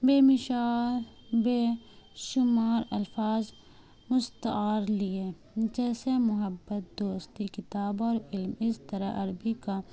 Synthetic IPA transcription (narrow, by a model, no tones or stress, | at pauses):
beːmɪʃaːl | beːʃʊmaːɾɐ̰lfaːz | mʊst̪aːɾlie | d͡ʒɛːsemʊɦəbːət̪̚d̪oːst̪ikɪt̪aːbɔːɾɪlmɪst̪əɾa̰ʔɐɾbika